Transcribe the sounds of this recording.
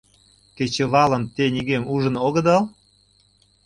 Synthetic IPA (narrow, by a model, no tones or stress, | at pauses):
ket͡ɕeβɑlə̆mt̪eniɣemuʒə̆noɣə̆d̪ɑl